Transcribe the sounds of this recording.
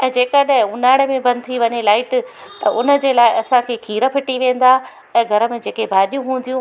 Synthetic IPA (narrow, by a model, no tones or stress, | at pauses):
ɛ̃ːd͡ʑeːkəɗ̃ʊnaːɽmẽbɐ̃nt̪ʰiʋɐɲelaːɪʈ | t̪ɐʊnə̆d͡ʑeːlaːɪɐsãkʰeːkʰiːɾəpʰɪʈiʋẽːn̆d̪aː | ɛ̃ːɡʱɐɾə̆mẽd͡ʑeːkebʱaːɗijũɦũːn̆d̪ijũ